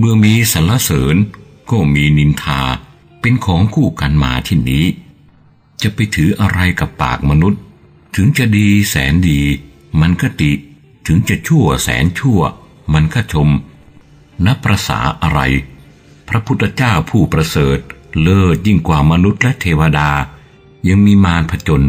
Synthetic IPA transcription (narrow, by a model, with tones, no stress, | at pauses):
bɯ˧əmiː˧sa˩˦nla˧˥sɤː˩˦n | kɔː˥˩miː˧ni˧nt̪ʰaː˧ | pe˧nkʰɔː˩˦ŋkʰuː˥˩ka˧nma̰ː˧t̪ʰiː˥˩niː˦˥ | t͡ɕa˨˩pa˧jt̪ʰɯː˩˦ʔa˧ɾa˧jka˨˩pːa̰ː˨˩k̚ma˧nu˦˥t̪̚ʰː | ɯ˩˦ŋt͡ɕa˨˩ʔdiː˧sɛː˩˦ndiː˧ | ma˧nkaː˥˩t̪i˨˩ | t̪ʰɯ˩˦ŋt͡ɕa˨˩t͡ɕʰu˥˩ɐsɛ̰ː˩˦nt͡ɕʰu˥˩ɐ | ma˧nkʰaː˥˩t͡ɕʰo˧m | na˦˥pːɾa˧sa̰ː˩˦ʔa˧ɾa̰˧j | pʰɾa˦˥pʰu˦˥t̪ʰːa˧t͡ɕaː˥˩wpʰuː˥˩pɾa˧sɤː˨˩t̪̚lɤː˥˩t̪̚ji˥˩ŋkwaː˨˩ma˧nu˦˥t̪̚lɛ˦˥t̪ʰeː˧wa˧daː˧ | ja˧ŋmiː˧maː˧npʰa˧t͡ɕo˧n